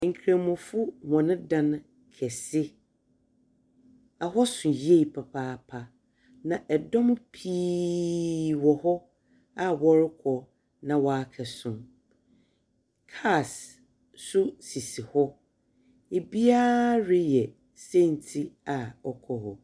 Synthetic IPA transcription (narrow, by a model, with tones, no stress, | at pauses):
ŋ̩˨kʰɾã˨mʊ̃˨fʊ˦hɔ̃˨nɪ̃˦dã˦n˦ | kʰɛ˨sɪ˦ | a˨ɦɔ˦sʊ̃˨je˦˨pʰa˨pʰaː˦˨pʰa˨ | nã˨ʔɛ˨dɔ̃˦m˦pʰiː˦ | wɔ˨hɔ˦ | a˦wɔ˦ɾɪ˦kʰɔ˨ | nã˨wɔ˨a˦kʰɛ˨sʊ̃˨m | kʰa˦˨s | sʊ˦si˨si˨hɔ˦ | e˨bi˦aː˦ɾɪ˦jɛ˨ | sɛ˦˨n̩˨tʰi˦a˨ɔ˦kʰɔ˦hɔ˨